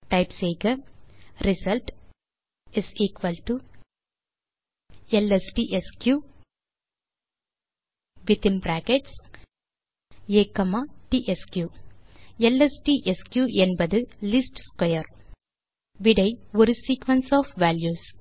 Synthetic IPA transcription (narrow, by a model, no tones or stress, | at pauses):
ʈaɪpseːɡɐɾisɐlʈ | isiːkʋɐlʈu | elesʈiʔeskjuː | ʋit̪inbɾæːkeʈs | ekɐmaʈiʔeskjuː | elesʈiːʔeskjuːʔenbɐd̪ɨlisʈskɔjɐɾ | ʋiɖɐjʋuɾsiːkʋɐ̃nsɔːfʋæːljuːs